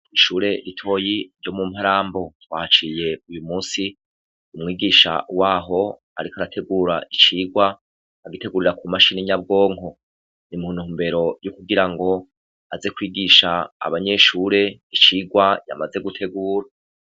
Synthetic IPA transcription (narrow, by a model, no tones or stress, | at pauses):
iʃuːɾe̞ɾitʰo̞jiɾjo̞mum̥haɾaːmbo̞twaːt͡ʃije̞ujumuːsi | umŋiːɡiʃa̰waːɦo̞ | a̰ɾikoaɾatʰe̞ɡuːɾaʔit͡ʃiːɡwa | aɡite̞ɡuɾiɾakumaʃiniɲab̚ɡo̞ːŋho̞ | nimunuːmbe̞ɾo̞jukuɡiɾaŋɡo̞ | aze̞kwiːɡiʃa̰ːβaɲe̞ʃuːɾe̞it͡ʃiːɡwaja̰maze̞ɡutʰe̞ɡuːɾa